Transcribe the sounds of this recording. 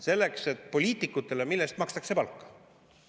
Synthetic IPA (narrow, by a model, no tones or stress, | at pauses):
se̞lːe̞kse̞t̪ːˑpo̞lʲiːt̪ˑikːˑut̪ːˑe̞lemilːest̪mɑkst̪ɑkse̞pɑlkːɑ̥